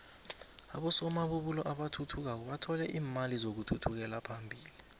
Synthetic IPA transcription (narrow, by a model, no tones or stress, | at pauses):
a̰ɓɔsɔmaɓuɓulɔʔaɓatʰutʰuk̬ak̬ɔɓatʰɔlɛʔiːmalizok̬utʰutʰuk̬ɛlapʰambʱiːli